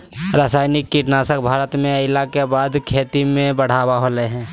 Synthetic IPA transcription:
ɾaːsaːɪnɪkːiʈnaːsək̚bʱaːɾət̪mẽəɪlakebaːd̪kʰeːt̪imẽbəɽ̤aːwaɦoːleɦɛ̃ː

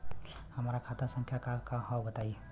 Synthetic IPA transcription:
həmɾakʰat̪aɾsə̃ŋkʰjakakaɦawbət̪ai

